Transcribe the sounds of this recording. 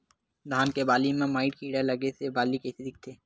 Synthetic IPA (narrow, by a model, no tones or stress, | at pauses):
d̪ʱaːnkebaːlimẽmaːɪʈkiːɽalɐɡesebaːlikesed̪ɪk̚t̪ʰeː